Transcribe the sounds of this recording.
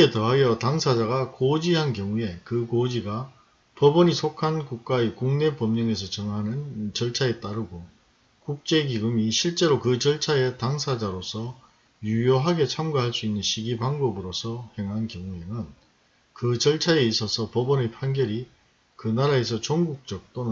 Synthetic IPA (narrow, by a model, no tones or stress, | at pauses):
etʌɦajʌtaŋsʰad͡ʑaɡakod͡ʑiɦankjʌŋue̞kɯkod͡ʑiɡa | pʌbʌɲisʰokʰankuk̚k͈aekuŋne̞pʌmɲʌŋe̞sʰʌt͡ɕʌŋɦanɯnt͡ɕʌɭt͡ɕʰae̞t͈aɾɯɡo | kuk̚t͡ɕ͈e̞ɡiɡɯmiɕʰiɭt͡ɕ͈e̞ɾokɯt͡ɕʌɭt͡ɕʰae̞taŋsʰad͡ʑaɾosʰʌ | jujoɦaɡe̞t͡ɕʰamɡaɦaɭs͈uinːɯnɕʰiɡibaŋbʌbɯɾosʰʌhe̞ŋɦankjʌŋue̞nɯn | kɯt͡ɕʌɭt͡ɕʰaeis͈ʰʌsʰʌpʌbʌnepʰanɡjʌɾi | kɯnaɾae̞s̬ʰʌt͡ɕoŋɡuk̚t͡ɕ͈ʌk̚t͈on